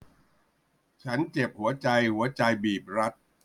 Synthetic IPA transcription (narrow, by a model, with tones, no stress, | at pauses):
t͡ɕʰa˦˥nt͡ɕe˨˩p̚hu˩˦ɐt͡ɕa˧jhu˩˦ɐt͡ɕa˧jbiː˨˩p̚ɾa˦˥t̪̚